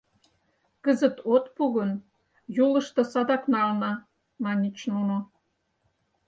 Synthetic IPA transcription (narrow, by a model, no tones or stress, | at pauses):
kəzə̆t̪ot̪puɣə̆n | julə̆ʃt̪ɤ̆sɑd̪ɑknɑlnɑ | mɑnʲit͡ɕnuno